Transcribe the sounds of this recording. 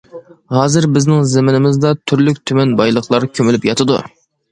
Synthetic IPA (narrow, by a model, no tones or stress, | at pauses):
ɦɑːzɨɾbɪznɪŋzɪmɪnɪmɪzd̪ɑt̪ʰyɾlyk̚ʲt̪ʰymɛnbɑjlˠəχlˠɑɾkʲʰømylypjɑt̪ʰɨd̪ṵ